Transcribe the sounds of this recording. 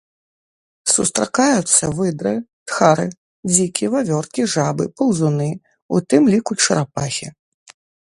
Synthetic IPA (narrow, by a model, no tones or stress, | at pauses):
sust̪ɾakajut̪sːɐvɨd̪ɾɨt̪xaɾɨ | d͡zʲikʲivavʲɔrkʲiʐabɨpɐwzunɨ | ut̪ɨmlʲikut͡ʂɐɾapaxʲi